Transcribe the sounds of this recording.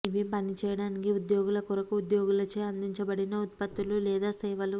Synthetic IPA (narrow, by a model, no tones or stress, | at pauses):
iʋipɐnit͡ʃɛːjɐɽaːnikiud̪jo̞ːɡulɐkuɾɐkuud̪jo̞ːɡulɐt͡ʃeɐnd̪iɲt͡ʃɐbɐɽinɐut̪̚pɐt̪ːululɛːd̪aːsɐjʋɐlu